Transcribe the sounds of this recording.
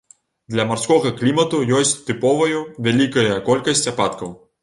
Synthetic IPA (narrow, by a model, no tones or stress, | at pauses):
d̪lʲɐmarskɔɣɐklʲimɐt̪ujɔsʲt͡sʲt̪ɨpɔvɐjuvʲalʲikɐjɐkɔlʲkɐsʲt͡sʲapat̪kɐw